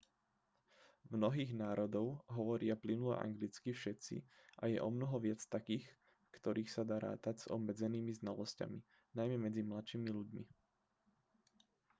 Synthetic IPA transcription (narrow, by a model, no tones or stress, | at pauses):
mnɔɦiːɣnaːɾɔd̪ɔʊɦɔʋɔɾɪaplinulɔ̰ʔa̰ŋɡlit͡skifʃɛt̪t͡sḭʔajɛ̰ʔɔmnɔɦɔʋɪat͡st̪akiːx | fkt̪ɔɾiːxsad̪aːɾa̰ːt̪aɟz̥ɔ̰bmːɛd͡zɛniːmiznalɔsca̰mi | najmɛmɛd͡zimlat̪ʃiːmiʎuɟmi